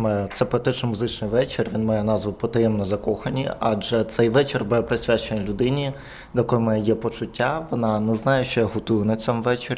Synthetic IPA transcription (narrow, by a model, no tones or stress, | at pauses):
mɛt̪sɛpɾɔt̪ɪt͡ʃnɔmʊzɪt͡ʃnɪjʋɛt͡ʃɪrʋʲinmɑjɛnɑzʋʊpɔt̪ɐjɛmnɔzɐkɔxɐnʲiɑd͡ʒɛt̪sɛjʋɛt͡ʃɪrbuɛpɾɪsʲʋʲat͡ʃenʲilʲʊd̪ɪnʲi | d̪jɐkɔjmɛjɛpɔt͡ʃʊtʲːaʋɔnɑnɛznɑjɛʃt͡ʃɔjaɦɔt̪ujʊnɐt͡sʲɔmʋɛt͡ʃɪrʲ